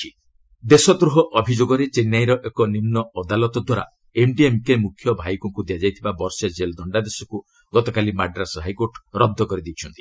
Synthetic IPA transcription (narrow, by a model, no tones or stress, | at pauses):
i | d̪esɔd̪ɾuɦɔʔɔbʱid͡ʒoɡɔɾet͡ʃenjajɾɔʔekɔnimnɔɔd̪alɔt̪ɔd̪waɾa̰ | emɖiemkemukʰːjɔbʱajkɔŋkud̪iad͡ʒajt̪ʰibabɔɾsed͡ʒeld̪ɔɳɖad̪esɔku | ɡ̥ɔt̪ɔkalimaɖɾasɔɦajkoɾʈɾɔd̪ʱːɔkɔɾid̪it͡ʃʰɔnt̪i̥